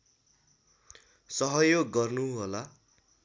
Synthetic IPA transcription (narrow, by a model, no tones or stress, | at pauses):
sʌɦʌjoɡːʌrnuɦola